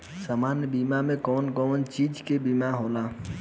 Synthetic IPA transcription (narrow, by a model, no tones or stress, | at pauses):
saːmaːnjbiːmamẽkɔːnkɔːnt͡ʃiːd͡ʒkebiːmaɦoːlaː